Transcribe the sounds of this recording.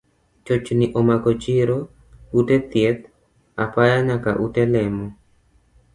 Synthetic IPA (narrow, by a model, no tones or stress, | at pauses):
t͡ʃɔt͡ʃniʔɔmakɔt͡ʃiɾo | utɛt̪jɛt̪ | apajaɲaka̰ʔutɛlɛmo